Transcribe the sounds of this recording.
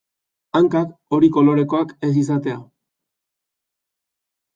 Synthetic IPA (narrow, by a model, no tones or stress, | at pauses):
aŋkako̞ɾiko̞lo̞ɾe̞ko̞ake̞s̬is̬at̪e̞a